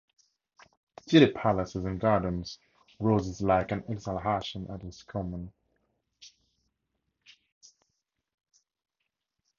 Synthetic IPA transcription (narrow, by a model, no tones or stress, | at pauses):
dɪlɪpʰalɪsɪzə̃nɡɑːdⁿn̩z̥ | ɹoːzɪzlaɪkə̃nɛɡsaləɦaʃə̃nʔə̰tɪskʰɒmə̃n